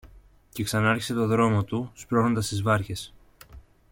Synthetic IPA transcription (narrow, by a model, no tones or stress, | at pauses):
ce̞ksɐnɐɐɾçi̥se̞t̪o̞ðɾo̞mo̞t̪uspɾo̞no̞nd̪ɐst̪izvɐɾçe̞s